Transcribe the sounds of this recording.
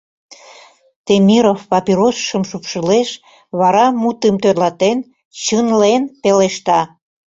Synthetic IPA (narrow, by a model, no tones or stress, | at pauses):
t̪emʲiɾofpɑpiɾosʃəmʃupʃəleʃ | βɑɾɑmut̪əmt̪ørlɑt̪en | t͡ɕənlenpeleʃt̪ɑ